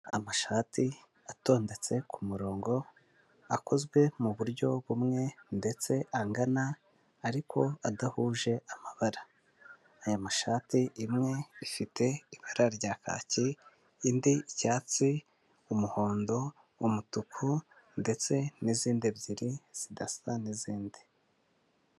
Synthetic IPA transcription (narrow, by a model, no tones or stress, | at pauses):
a̰maʃaːti | ato̞ːnde̞t͡se̞kʰumuɾo̞ːŋɡo̞ | ako̞zɡwe̞muβuɾɟo̞βumŋe̞nde̞t͡se̞ʔaŋɡanaː | ɾikʰo̞adahuːʒe̞amaβaɾaː | jamaʃaːtiʔimŋe̞ifite̞iβaɾaɾɟaka̰ciː | ndiicaːt͡si | umuho̞ːndo̞ | umutukʰu | nde̞t͡se̞niziːndiβziɾiz̥idasaniziːndi̥